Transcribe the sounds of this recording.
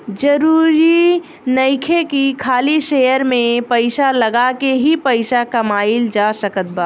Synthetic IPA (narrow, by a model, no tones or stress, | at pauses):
d͡ʒəɾuːɾi | nəɪkʰekikʰaːliʃejəɾmẽpəɪsaləɡakeɦipəɪsakɐmaːɪld͡ʒasəkət̪̚baː